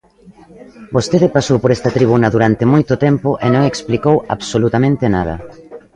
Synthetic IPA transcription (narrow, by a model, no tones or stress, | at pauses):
bost̪eðɪpasowpoɾɛst̪ɐt̪ɾiβ̞unɐðuɾant̪emojt̪ot̪ɛmpoʔenõŋeksplikowa̰βsolut̪amẽnt̪enað̞ɐ̰